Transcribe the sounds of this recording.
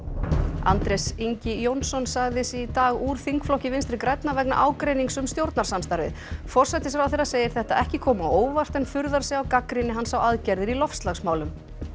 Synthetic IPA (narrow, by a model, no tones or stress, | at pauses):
a̰nt̪ɾɛsiɲcɪjownsɔnsaɣðɪsit̪aːɣuːɾ̥θiŋkflɔhcɪvɪnst̪ɾɪkɾɛt̪navɛkna̰ʔaːwkɾejniŋksʏmst̪jowɾt̪naɾ̥samst̪aɾvɪ̰ðfɔr̥sajt̪ɪs̬ɛɾawθeːɾaseːjɪɾ̥θɛht̪aɛhcɪkʰɔːmawoːwvar̥t̪ɛnfʏɾðaɾ̥sɛawkakɾɪnɪɦanːsawaðcɛɾðɪɾilɔfst̪laɣsmaːwlʏm